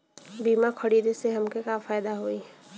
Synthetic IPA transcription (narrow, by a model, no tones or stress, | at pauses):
biːmakʰɐɽiːd̪eseɦɐmkekafaːjd̪aɦoiɦɛ